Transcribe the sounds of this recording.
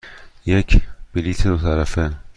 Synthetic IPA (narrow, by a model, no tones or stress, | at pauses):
jekʰb̥iliːt̪ʰed̪ot̪ʰæɾæfe